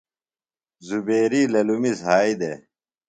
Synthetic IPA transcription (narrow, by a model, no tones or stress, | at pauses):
zubeːɾiːlɐlumizɦaːid̪e